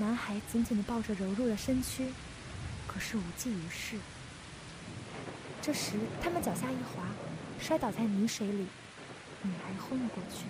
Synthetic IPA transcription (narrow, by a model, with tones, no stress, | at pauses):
na˧˥nxa˧˥ɪt͡ɕi˧˥nt͡ɕi˨˩nd̪ə˦˥pɑ˥˩ʊʈ͡ʂə˩ɻo˧˥ʊɻu˥˩d̪ə˩ʂə˥nt͡ɕʰy˥ | kʰɤ˨˩ʂɻ̩˥˩u˨˩t͡ɕi˥˩y˧˥ʂɻ̩˥˩ | ʈ͡ʂɤ˥˩ʂɻ̩˧˥t̪ʰa˥mə˨t͡ɕjɑ˨˩ʊɕja˥˧i˥˩xwa˧˥ʂwɪt̪ɑ˨˩ʊt͡sa˥˩ɪny˧˥ʂwe˧˥ɪli˨˩˦ | ni˨˩xa˧˥ɪxʊ˥ŋlə˧kwɔ˥˧t͡ɕʰy˥˩